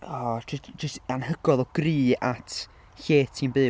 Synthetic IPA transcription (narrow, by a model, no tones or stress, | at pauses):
ɔd͡ʒəstanhəɡɔðɔɡ̥riːatʰ | ɬeːtʰinbɨː